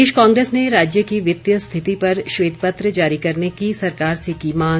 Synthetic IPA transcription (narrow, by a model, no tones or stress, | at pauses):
eːʃkãːŋɡɾeːsneɾaːd͡ʒjəkiʋɪt̪jəst̪ʰɪt̪ipɐɾʃʋeːd̪̚pət̪ɾəd͡ʒaːɾikɐɾnekisɐɾkaːɾsikimãː